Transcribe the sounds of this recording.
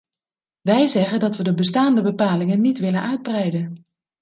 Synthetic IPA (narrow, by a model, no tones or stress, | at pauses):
ʋɛjzɛχəndɑtʋədəbəstaːndəbəpaːlɪŋənːitʋɪlənʔœɥd̚brɛjdən